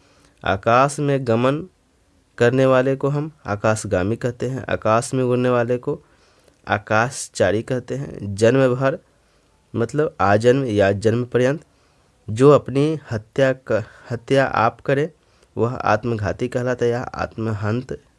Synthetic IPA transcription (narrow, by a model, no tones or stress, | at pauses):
a̰ːkaːsmẽɡɐmən | kɐɾneʋaːlekoɦɐmaːkaːsɡaːmikɐɾt̪eɦɛ̰̃ʔa̰ːkaːsmẽʊɾneʋaːleko | a̰ːkaːst͡ʃaːɾikɐɾt̪eɦɛ̰̃d͡ʒənməbʱəɾ | mɐt̪ləbaːd͡ʒənmjad͡ʒɐnmpəɾjə̃nt̪ | d͡ʒoːɐpnihət̪jahɐt̪jaʔa̰ːpkɐɾe | ʋɐɦa̰ːt̪məɡʱaːt̪ikɐɦlaːt̪ejaa̰ːt̪məɦə̃nt̪